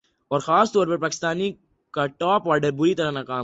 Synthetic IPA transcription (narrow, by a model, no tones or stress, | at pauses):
ɔːɾxaːst̪uʋɐɾbɐɾpaːkɪ̥st̪aːni | kɐʈːaːpʋaːɖɐɾbʊɾit̪ɐɾɐnɐkaː